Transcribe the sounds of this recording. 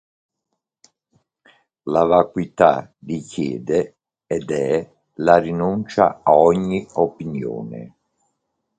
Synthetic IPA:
lavakwit̪a̰d̪ikjɛ̰ːd̪e | ɛd̪ɛ | larinunt͡ʃa̰aɔɲːiopinjo̰ːnḛ

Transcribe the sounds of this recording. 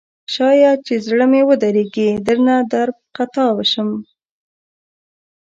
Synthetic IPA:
ʃɑjɑt͡ʃezɽəmewəd̪aɾeɡid̪əɾnad̪aɾb̚qat̪ɑwəʃəm

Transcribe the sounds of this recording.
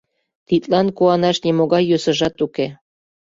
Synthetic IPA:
t̪it̪lɑnkuɑnɑʃnemoɣɑjːøsə̆ʒɑt̪uke

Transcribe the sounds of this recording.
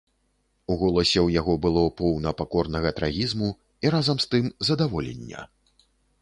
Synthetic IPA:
uɣɔlˠɐsʲɛwjaɣɔbɨlˠɔpɔwnɐpakɔrnɐɣɐt̪ɾaɣʲizmu | iɾazɐmst̪ɨmzɐd̪avɔlʲḛnʲːɐ̰

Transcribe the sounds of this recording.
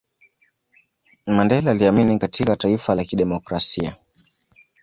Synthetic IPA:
mandɛlaːliaminikatikataifalakiɗɛmɔkɾasia̰

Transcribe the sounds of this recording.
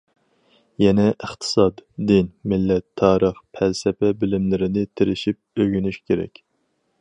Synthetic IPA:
jɛnɛʔəχt̪ʰɨ̥sɑd̪d̪ɪnmɪlːɛt̪ʰːɑːɾəχpʰælsɛpɛbɪlɪmlɪɾɪnɪt̪ʰɪɾɪʃip̚øɡʲynyʃkʲʰeɾɛ̰kʲ

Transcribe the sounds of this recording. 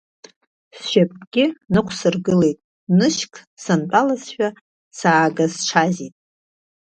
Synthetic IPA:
sʃapʼɡʲɪnɨkʷʰsɨrɡɨle̞jtʼ | nɨʃkʰʼ | sant͡pʼalasʃᶣa | saːɡazʈ͡ʂʰazitʼ

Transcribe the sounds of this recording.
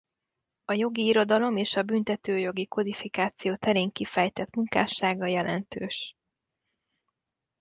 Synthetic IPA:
ɒjo̞ɡiːɾo̞d̪ɒlo̞meːʃɒbynt̪ɛt̪øːjo̞ɡiko̞d̪ifikaːt̪sijoːt̪ɛɾeːŋkifɛjt̪ɛt̪muŋka̰ːʃaːɡɒjɛlʔɛ̰nt̪øːʃ

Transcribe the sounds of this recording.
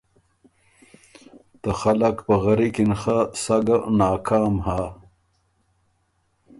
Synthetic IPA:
t̪əxalakpəɣɐɾikinxasaɡanaːkaːmhaː

